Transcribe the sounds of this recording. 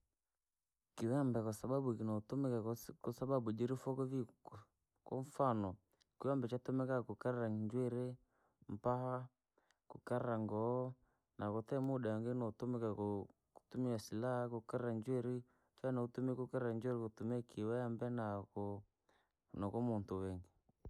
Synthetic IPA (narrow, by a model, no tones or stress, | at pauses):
kiwɛambɛkɔsaɓaɓukinɔtmɛkakɔsaɓaɓud͡ʒiɾifɔkɔvi | kɔɱfanɔ | kiwambɛt͡ʃatumɛkakukaɾɛɾaɲd͡ʒwɛɾe | mpaha | kukaɾɛɾaŋɡɔ | nakɔtɛmuɗaŋɡenɔtumɛkako | ku̥tumiasilahakokaɾɾaɲd͡ʒwɛɾi | fɛnɔutumɛkukaɾɾaɲd͡ʒwɛɾekotumɛkʰiwɛambɛnakɔ | nɔkɔmuntuwɛŋɡi